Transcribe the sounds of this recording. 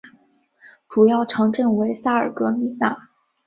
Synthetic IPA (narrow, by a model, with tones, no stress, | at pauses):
ʈ͡ʂu˨˩jɑ˥˩ʊʈ͡ʂʰɤ˧˥ŋʈ͡ʂə˥˩nwe˧˥ɪsa˥˩ə̰˞˨˩kɤ˧˥mi˧˥t̪a˥˩˦